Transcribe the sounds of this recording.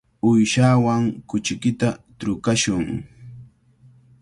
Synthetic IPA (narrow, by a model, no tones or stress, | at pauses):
ʊjʃawaŋkʊt͡ʃɪkɪt̪at̪ɾʊkaʃʊŋ